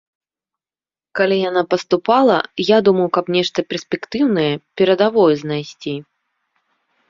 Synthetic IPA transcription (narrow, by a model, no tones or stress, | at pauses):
kalʲijanapɐst̪upalˠɐjad̪umɐwkɐpnʲɛʂt̪ɐpʲɛrsʲpʲɛkt̪ɨwnɐjɛpʲɛɾɐd̪avɔjɛznajsʲt͡sʲi